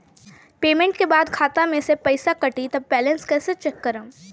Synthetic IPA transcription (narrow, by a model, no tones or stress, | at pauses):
peːmẽɳʈkebaːd̪kʰaːt̪amẽsepɐɪsakɐʈit̪ɐb̚ːɛːlə̃nskɛːset͡ʃɛkːəɾə̃